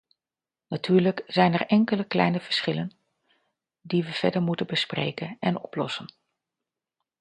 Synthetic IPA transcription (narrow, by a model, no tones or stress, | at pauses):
natyːɹləkz̥ɛjnɛɹʔɛŋkələklɛ̰jnəvəɹsχɪlən | diʋəv̥ɛ̰ɹdəɹmutənbəsprḛjkənɛnɔplɔsən